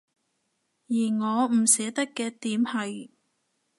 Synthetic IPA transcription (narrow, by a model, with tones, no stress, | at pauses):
jiː˨˩ŋɔː˨˧m̩˨˩sɛː˨˥t̪ɐ˥kːɛː˧t̪iː˨˥mhɐ˨j